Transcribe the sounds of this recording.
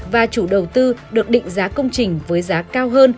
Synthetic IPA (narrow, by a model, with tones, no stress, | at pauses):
vaː˨˩t͡ɕu˧˩ɗə˨˩wt̪ɨ˧ɗɨ˨˩ək̚ɗḭ˧˨ŋ̟zaː˨˦kə˧wŋ͡mt͡ɕï˨˩ŋ̟vəː˨˦jzaː˨˦kaː˧wɦəː˧n